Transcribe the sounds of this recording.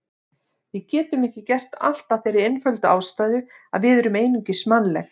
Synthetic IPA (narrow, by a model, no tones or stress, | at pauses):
vɪðcɛːt̪ʏmɛhcɪcɛr̥t̪a̰l̥t̪afejɾɪɾenfœlt̪ʏaːwst̪aːjðʏ | a̰ðvɪðɛɾʏmeːjnʏɲcɪsmanlɛx